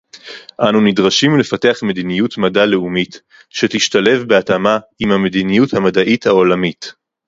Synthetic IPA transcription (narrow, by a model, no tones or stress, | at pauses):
ʔanunidʁaʃimle̞fate̞aχme̞dinijutmadale̞umit | ʃetiʃtale̞vbeatamaimhame̞dinijuthamadaʔithaolamit